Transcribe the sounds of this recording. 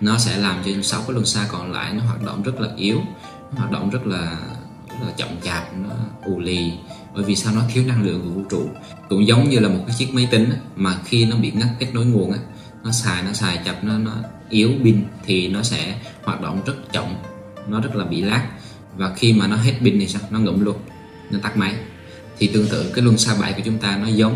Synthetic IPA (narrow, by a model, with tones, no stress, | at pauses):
nɔ˨˦sɛ̰˧˥˩laː˨˩mt͡ɕɔ˧sa˨˦wkɔː˨˦lwə˨˩nsaː˧kɔ˨˩nla̰ː˧˨jnɔ˨˦ɦwaː˨˩t̚ɗo̰˧˨wŋ͡mzə˦˥t̚laː˨˩ʔi˨˦əw | nɔ˨˦haː˨˩t̚ɗo̰˧˨ŋ͡mzə˦˥t̚laː˨˩ | zə˦˥t̚laː˨˩t͡ɕɔ̰˧˨wŋ͡mt͡ɕaː˨˩p̚nɔ˨˦ʔu˨˩li˨˩ɓə̰ː˧˨jvi˨˩saː˧wnɔ˨˦t̪ʰi˨˦əwɗaː˧ŋɗɨ̰˧˨əŋvu˧˩vu˧t͡ɕṵ˧˨ | kʊ̰˧˥ŋ͡mzə˨˦wŋ͡mɲɨ˧laː˨˩mo˨˩t̚kaː˨˦jt͡ɕi˦˥ək̚mə˨˦jt̪ï˨˦ŋ̟ʔaː˨˦maː˨˩xi˧nɔ˨˦ɓḭ˧˨ŋa˦˥kke˦˥t̚no˨˦jŋu˨˩ənʔaː˨˦ | nɔ˨˦saː˨˩jnɔ˨˦saː˨˩jt͡ɕa˨˩p̚nɔ˨˦nɔ˨˦ | ʔi˨˦əwɓï˧ŋt̪ʰi˨˩nɔ˨˦sɛ̰˧˥hwaː˨˩t̚ɗo̰˧˨wŋ͡mzə˦˥t̚t͡ɕɔ̰˧˨wŋ͡m | nɔ˨˦zə˦˥t̚laː˨˩ɓḭ˧˨laː˦˥k̚ | vaː˨˩xi˧maː˨˩nɔ˨˦ɦe˦˥t̚ɓï˧ŋ̟t̪i˨˩saː˧wnɔ˨˦ŋɨ̰˧˩˨mlu˧ən | nɔ˨˦t̪aː˦˥k̚ma˨˦j | t̪ʰi˨˩t̪ɨ˨˩əŋt̪ɨ̰˧˨kaː˨˦jlwə˧˩nsaː˧ɓa̰ː˧˩jku˧˩t͡ɕʊ˨˦ŋ͡mt̪aː˧nɔ˨˦zə˨˦wŋ͡m